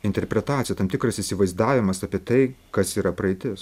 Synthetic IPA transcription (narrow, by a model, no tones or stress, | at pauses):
ɪnʲt̪ʲɛɾʲpʲɾʲɛt̪aːt͡ssʲɪjɛt̪ɐmt̪ʲɪkɾɐsɪsʲɪʋɐɪzd̪ɑːʋʲɪmɐsɑːpʲiɛt̪ɐɪkɐsiːɾɐpɾɐɪt̪ʲɪs